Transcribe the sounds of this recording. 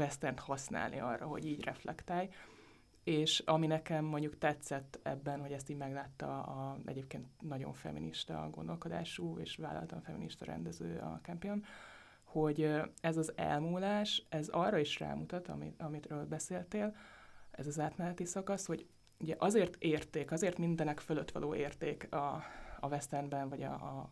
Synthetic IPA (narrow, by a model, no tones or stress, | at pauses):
vɛst̪ɛnt̪hɒsna̰ːlnʔḭɒ̰rːɒɦo̞̰ɟiːɟrɛflɛ̰kt̪aːj | eːʃɒminɛkɛmːo̞ɲɟukt̪ɛt̪sɛt̪ːɛ̰bːɛnho̞ɟɛst̪iːɟmɛɡlaːt̪ːɒ̰ɒɛ̰ɟeːp̚keːnt̪nɒɟo̞̰ɱfɛ̰miniʃt̪ɒ̰ɡo̞nd̪o̞lko̞d̪a̰ːʃuːḛːʃʋaːlːʔɒ̰lɒt̪lɒɱfɛminiʃt̪ɒɾɛ̰nd̪ɛzø̰ːɒ̰kɛmpion | ho̞ɟøɛzɒzɛ̰lmuːlaːʃɛzɒrːɒiʃra̰ːmut̪ɒt̪ɒ̰miɒmit̪røːlbɛseːlt̪eːlɛ̰zɒzaːt̪mɛlɛt̪isɒkɒsho̞ɟ | uɟɛʔɒzeːrt̪eːrt̪eːkɒzeːrt̪mind̪ɛnɛkføløt̪ːʋɒ̰lʔoːʔeːrt̪eːkɒɒvɛst̪ɛnbɛnvɒɟɒ̰